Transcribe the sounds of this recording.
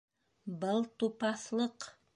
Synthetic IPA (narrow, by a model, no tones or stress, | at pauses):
bɤlˠt̪upɑθlˠɤq